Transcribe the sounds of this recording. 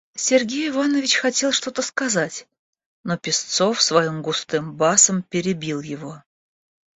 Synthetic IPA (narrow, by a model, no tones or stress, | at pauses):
sʲɪrɡʲejɪvanəvʲɪt͡ɕxɐtʲe̞lˠʂt̪o̞t̪əskɐzatʲ | no̞pʲɪst̪so̞fsvɐjimɡʊst̪ɨmbasəmpʲɪɾʲɪbʲilˠjɪvo̞